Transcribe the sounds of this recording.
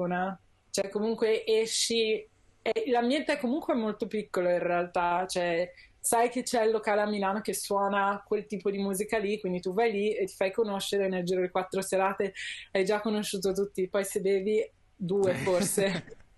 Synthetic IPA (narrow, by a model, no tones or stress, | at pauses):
na | t͡ʃoɛkːomuŋkweʔɛʃːi | ɛlambjɛnt̪eɛkːomuŋkweɛmːolt̪opikːoloinrealt̪at͡ʃoɛsajket͡ʃɛilːokaːleamːilaːnok̟eswɔːnakwelt̪iːpod̪imuːzikalikwind̪it̪uvajliet̪ːi̥fajkonoʃːeɾeneld͡ʒiːɾodlekwat̪ːɾoseɾaːt̪eajd͡ʒakːonoʃːuːt̪ot̪̬ut̪ːipɔjsebeːvi | d̪uːeforse